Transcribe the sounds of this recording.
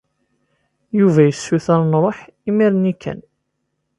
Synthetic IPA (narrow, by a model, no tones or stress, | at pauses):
juvæjəsːuθæɾˤnɾˤoħimiɾnikʰːæ̰n